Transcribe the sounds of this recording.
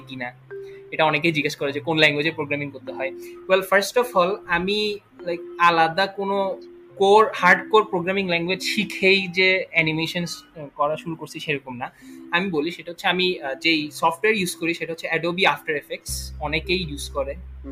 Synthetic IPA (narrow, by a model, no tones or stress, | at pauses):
kinaeʈaɔnek̬ejd͡ʑiɡeʃkɔɾed͡ʑekonlɛŋɡwed͡ʑepɾoɡɾamiŋkoɾt̪eɦɔewelfʰaɾsʈɔfɔlami | lajkalad̪akono | koɾhaɾɖkoɾpɾoɡɾamiŋlɛŋɡwed͡ʑʃikʰejd͡ʑeɛnimeʃonskɔɾaʃuɾukoɾt͡ɕʰiʃeɾɔkomnaamiboliʃeʈaɦot̪ːɕʰeamid͡ʑejsɔfʈoweaɾjuzkoɾiʃeʈaɦotːɕʰeɛɖobiafʈaɾefek̚ʈsɔnekejjuzkoɾe